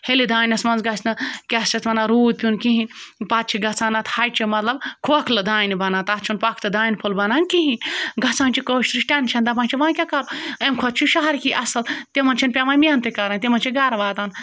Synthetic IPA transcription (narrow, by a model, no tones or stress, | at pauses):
helid̪aːnʲɐsmɐnzɡɐsnɐkʲɐst͡ʃʰɐt̪ʋɐnaɾuːd̪̚pʲunkiɦinʲpɐt̪̚t͡ʃʰiɡɐt͡saːnɐt̪hɐjt͡ʃʰimɐt̪lɐbkʰuɐkʰlɐd̪aːjnibɐnat̪ɐt͡ʃʰunpɐkʰt̪ɨd̪aːjnpʰulbɐnaːnkiɦinʲɡɐt͡saːnt͡ʃʰikoːʃt̪ɾɨʃʈʲɐnt͡ʃʰɐnd̪ɐbaːnʲt͡ʃʰiʋãːnkʲakɐɾuɐmkʰot̪̚t͡ʃʰuʃaːɐɾkiʔɐsɐlt̪emɐnt͡ʃʰɐnpʲaʋaːnmiɐnt̪ekɐɾaːnt̪ʲemɐnt͡ʃʰiɡɐɾɐʋaːt̪aːn